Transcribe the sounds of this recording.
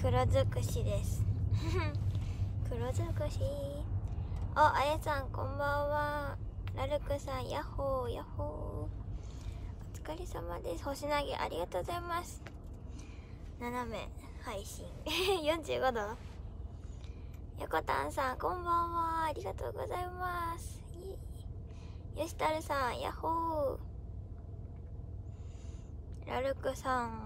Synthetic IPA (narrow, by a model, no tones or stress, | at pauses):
kɯ̟ɾozɨkɯ̟ɕid̪esɨ̥ | kɯ̟ɾozɨkɯ̟ɕi | oʔajasãŋkõmbãɰ̃βaɾaɾɯ̟kɯ̟sãɰ̃jahoːjahoː | ot͡sɨ̥kaɾʲisamad̪e̞sɨ̥ho̞ɕinaɡḛʔa̰ɾʲiɡat̪oːɡozaimasɨ̥ | nanamḛhaiɕĩŋejõɲ̟d͡ʑɨːɡod̪o | jʔa̰ko̞t̪ã̰ɰ̃sãŋkõ̞mbãɰ̃βaːɾʲiɡat̪o̞̰ːɡo̞̰zaimasɨ̥i | joɕi̥t̪aɾɯ̟sãɰja̰hoː | ɾa̰ɾɯ̟kɯsãŋ